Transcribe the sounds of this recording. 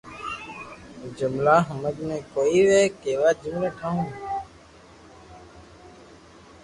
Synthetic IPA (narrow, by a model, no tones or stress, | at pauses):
d͡ʒʊmlaːɦəməd̪mẽːkoːiːʋeːkeːʋaːd͡ʒʊmlaːʈʰaːɦũː